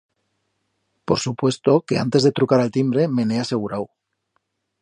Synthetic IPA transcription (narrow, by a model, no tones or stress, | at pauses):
poɾsupwe̞st̪o̞ke̞a̰nt̪e̞zðe̞t̪ɾukaɾalt̪imbɾe̞menease̞ɣ̞uɾaw